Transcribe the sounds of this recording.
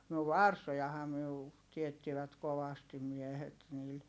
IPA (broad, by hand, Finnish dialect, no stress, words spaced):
no ʋɑrsojɑhɑː myø u tietːiʋæt koʋɑstim miɛhet niːl